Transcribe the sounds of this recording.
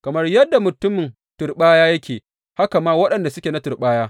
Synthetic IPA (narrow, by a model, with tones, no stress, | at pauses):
kɐ˨mɐ˦rjɐ˦dːa˨mʊ˨tʊ˦mɪ˨n | tʊ˨rɓaː˦jaː˦jɐ˦kʲʰeː˨ | ha˦ka˨maː˦wɐ˦ɗɐ˨nda˨sʊ˦kʲeː˨na˦tʊ˨rɓaː˦jaː˦